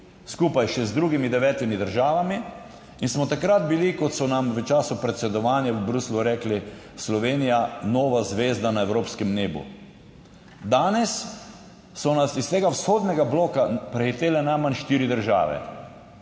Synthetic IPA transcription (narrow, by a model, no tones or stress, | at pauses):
skuːpajʃɛzd̪ɾuːɡimid̪ɛʋɛːt̪imid̪əɾʒaːʋami | insmɔt̪akɾat̪bilikɔt̪sɔnamʋət͡ʃaːsupɾɛt̪sɛd̪ɔʋaːnjawəbɾusluɾɛːkli | slɔʋeːnijanoːʋazʋeːzd̪anaewɾoːpskɛmneːbṵ | d̪aːnɛsː | ɔnasist̪eːɡawsxoːd̪nɛɡabloːkapɾɛxit̪eːlɛnajmanʃt̪iːɾid̪əɾʒa̰ːʋɛ̰